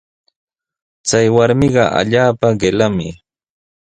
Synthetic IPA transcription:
t͡sajwaɾmɪɢɑ̰ʔa̰ʎaːpaɢelamɪ

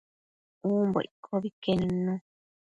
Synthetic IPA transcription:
uːmbo̰ʔḭkʰoβikenũnõ

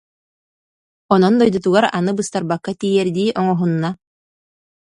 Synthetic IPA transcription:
ɔnɔnd̪ɔjd̪ɔt̪uɡaɾanɯbɯst̪aɾbakːat̪iːjɛɾd̪iːʔɔŋɔɦunːa

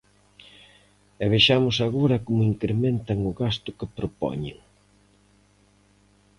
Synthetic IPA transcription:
ɛβ̞eʃamʊsaɣoɾɐkomʊiŋkɾemẽnt̪ɐŋʊɣast̪ʊkepɾopɔ̰ɲḛŋ

